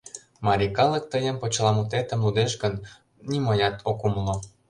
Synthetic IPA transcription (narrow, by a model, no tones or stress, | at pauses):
mɑɾʲikɑlə̆k̚t̪əjəmpot͡ɕlɑmut̪et̪ə̆mlud̪eʃɡənːʲ | iməjɑt̪ʰokumlo